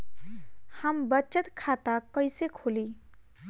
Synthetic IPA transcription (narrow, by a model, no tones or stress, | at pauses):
həmbət͡ʃət̪kʰaːt̪akəɪsekʰoːliː